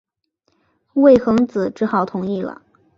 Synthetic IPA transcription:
we˥˩ɪxɤ˧˥ŋt͡sɹ̩˨˩ʈ͡ʂɻ̩˧˥xɑ˨˩ʊt̪ʰʊ˧˥ŋi˥˩lə̰˩

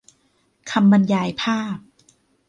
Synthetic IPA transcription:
kʰa˧mːa˧njaː˧jpʰaː˥˩p̚

